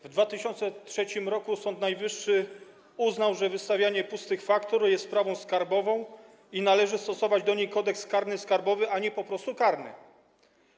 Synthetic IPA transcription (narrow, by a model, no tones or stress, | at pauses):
vd̪vat̪ɘɕɔnt̪sɛtʂɛt͡ɕimɾɔkusɔnt̪najvɘʂːɘ | uznawʐɛvɘst̪avʲjaɲɛpust̪ɘxfakt̪ɔɾjɛst̪ːpɾavɔ̃w̃skaɾbɔvɔ̃w̃ | inalɛʐɘst̪ɔsɔvad͡ʑd̪ɔɲejkɔd̪ɛkskaɾnɘskaɾbɔvɘʔaɲɛpɔpɾɔst̪ukaɾnɘ̰